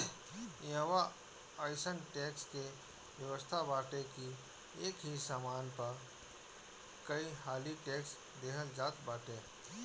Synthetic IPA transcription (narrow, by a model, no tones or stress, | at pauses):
jə̃ʋa | aːɪsənʈɛːkske | wjəʋəst̪ʰabaːʈeki | eːkɦisaːmaːnpɐ | kəiɦaːliʈɛːks | d̪eːkɦʰəld͡ʒaːt̪baːʈẽː